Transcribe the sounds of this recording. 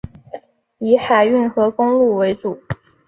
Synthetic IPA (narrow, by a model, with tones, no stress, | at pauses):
i˧˥xa˨˩ɪy˥˩nxɤ˧˥kʊ˥ŋlu˥˩we˧˥ɪʈ͡ʂu˨˩˦